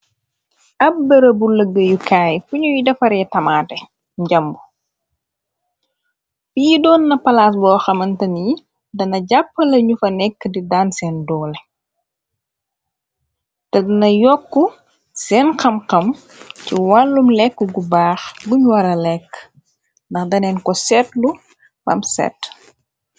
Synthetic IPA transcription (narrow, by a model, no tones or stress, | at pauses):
ʔɐp̚bəɾɐbuləɡəjukaːjfuɲujidɐfɐɾɛtɐmatɛ | ɟɐmbu | fijidɔːnːɐpɐlas̬bɔːxɐmɐntɐnji | dɐnɐɟapːəlɐɲufɐnɛkːdidaːnsɛːndɔːlɛ | tɛdunɐjɔkːu | sɛːnxɐmxɐm | ciwalːumlɛkːuɡubaːxɡuɲwɐɾɐlɛkː | ndɐxdɐnɛːnkɔsɛtlu | bɐ̰msɛ̰tː